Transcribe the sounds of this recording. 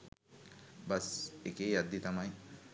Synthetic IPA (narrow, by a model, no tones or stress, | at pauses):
bɐsekeːjɐd̪ːit̪ɐmaj